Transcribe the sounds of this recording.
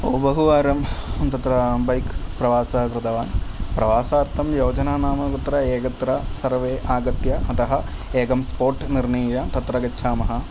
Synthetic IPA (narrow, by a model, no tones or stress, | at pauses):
o̰ːbɐɦuʋaːɾɐmɐnt̪ɐt̪ɾɐbɐjkpɾɐʋaːsɐkɾɨt̪ɐʋaːnpɾɐʋaːsaːɾt̪ʰɐmjoːd͡ʒɐnaːnaːmɐkut̪ːɾɐeːkɐt̪ɾɐsɐɾʋeːʔaːɡɐt̪jɐɦɐt̪ɐɦɐ̆eːɡɐmspoːɾʈniɾnɐjjɐt̪ɐt̪ɾɐɡɐtːʃʰaːmɐɦɐ̆